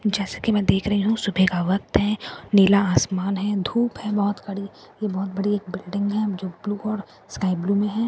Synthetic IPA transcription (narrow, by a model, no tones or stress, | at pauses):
d͡ʒɛːsḁkimɛ̃ːd̪eːkʰɾɐɦiɦũsʊbʱekaʋɐk̚t̪ɦɛneːlaaːsmaːnɦɛ̃d̪ʱuːpɦɛ̃bɔɦʊt̪kɐɽi | jebɔːt̪̚bɐɽieːk̚bɪlɖɪ̃ŋɡɦɛ̃d͡ʒoːbluːɔːɾ | skaːɪbluːmẽɦɛ̃ː